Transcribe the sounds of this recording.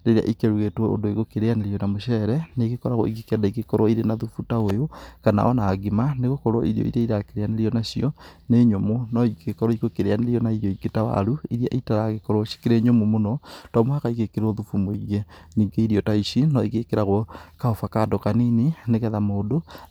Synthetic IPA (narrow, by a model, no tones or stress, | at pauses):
ɾeɾea̰ʔikeɾuɣetwɔo̰ndoiɣokeɾeaneɾijɔnamoʃɛɾɛneɣekɔɾaɣɔ̰iɣekeadaiɣekɔɾwɔiɾenaðufutaojokana̰ɔnaːɡimaneɣokɔɾɔ̰ʔiɾiɔ̰ḭɾaiɾakeɾeaneɾiɔnaɕiɔneɲomonɔiɡekɔɾɔiɣokeɾeaneɾiɔnaiɾjɔiɡetawa̰ɾuiɾia̰ʔitaɾaɣekɔɾwɔʃi̥keɾeɲomomonɔtɔmohakaiɣekeɾoðufumoiɣeniːŋɡeiɾiɔtaiɕinɔiɣekeɾaɣɔkaofakadɔkaninineɣɛðamoːdo